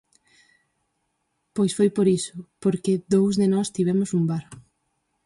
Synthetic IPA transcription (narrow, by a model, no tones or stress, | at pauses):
pojsfojpoɾisʊpoɾkɪðowzðenɔst̪iβɛmʊsumbaɾ